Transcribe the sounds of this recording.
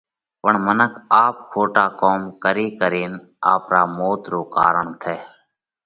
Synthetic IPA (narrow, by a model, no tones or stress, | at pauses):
pəɳmənəkʰaːp̚kʰoːʈaːkoːmkəɾiːkəɾiːn | a̰ːpɾaːmoːt̪ɾoːka̰ːɾəɳt̪ʰeː